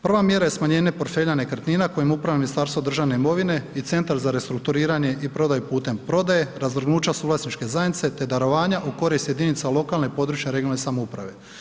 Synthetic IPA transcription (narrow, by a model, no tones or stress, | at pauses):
pr̩ʋamje̞ɾaje̞smaɲe̞ːnepo̞ɾt̪fe̞ːʎane̞kr̩t̪niːnako̞jimupɾaʋaminist̪aːɾst̪ʋod̪ɾr̩ʒaʋne̞imo̞ʋine̞it̪se̞nt̪aɾzaɾe̞st̪ɾuk̚t̪uɾiːɾaɲe̞ʔipɾo̞d̪ajupuːt̪e̞mpɾo̞d̪aje̞ɾazʋrɡnuːt͡ʃasuːvlasnit͡ʃke̞zajnit̪se̞t̪e̞d̪aɾo̞ʋaːɲaʔuko̞ɾist̪je̞d̪init̪salo̞kalne̞po̞d̪ɾuːt͡ʃaɾeɡiolnesamoupɾa̰ʋe̞